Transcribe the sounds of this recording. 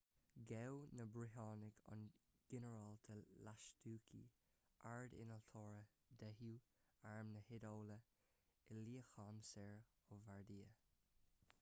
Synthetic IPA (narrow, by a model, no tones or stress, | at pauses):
ɡɛwnəbɾɪɦɑːnɪɡʰɑ̰n | ɡ̥ɛnəɹalt̪ʰəlaʃtuːkʰḭ | ʔaɹd̪ɪ̰nəlt̪ʰɔːɹə | d̪ɛɦjuː | aɹmnəhɪdoːlə | ɪliːəxɑnsɛɹ | ɔvaɹd̪iːə